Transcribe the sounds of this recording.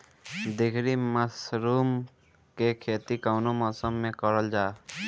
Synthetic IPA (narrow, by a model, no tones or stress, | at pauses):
d̪ekʰɾiməsɾuːm | kekʰeːt̪ikawnomɔsəmːẽkɔɾəld͡ʒaː